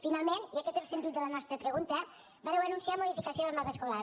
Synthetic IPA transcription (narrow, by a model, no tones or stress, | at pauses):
finalˠmeniəkɛt̪elˠsənt̪it̪̚d̪ələnɔst̪ɾəpɾəɣunt̪ə | baɾɛwənunsiamoðifikəsioðəlmaβəskola